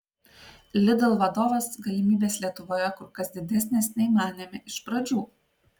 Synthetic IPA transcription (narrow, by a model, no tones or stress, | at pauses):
lʲɪd̪ɐlˠʋɐd̪oːʋɐsɡɐlʲɪmʲiːbʲeːslʲiɛt̪ʊʋoːjɛkʊɾkɐsd̪ʲɪd̪ʲɛsʲnʲeːsnʲɛɪmɑːnʲɪmʲɪʔɪʃpɾɐd͡ʒʲuː